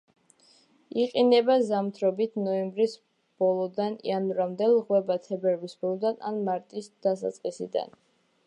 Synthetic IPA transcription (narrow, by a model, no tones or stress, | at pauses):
iqʼinɛbazamt̪ʰɾɔbit̪ʰnɔɛmbɾis | b̥ɔlˠɔd̪anḭanuɾamd̪ɛlˠʁwɛbat̪ʰɛbɛɾvisbɔlˠɔd̪ana̰nmaɾt̪ʼisd̪̥asa̰t̪sʼqʼisḭd̪a̰n